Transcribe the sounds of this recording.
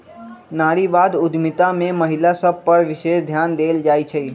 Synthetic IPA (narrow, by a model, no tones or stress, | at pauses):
naːɽiʋaːd̪ʊd̪ʱmɪt̪amẽməɦɪlasəb̚ʱpəɾʋɪʃeːsd̪ʱjaːnd̪eːld͡ʒaːit͡ʃʰəiː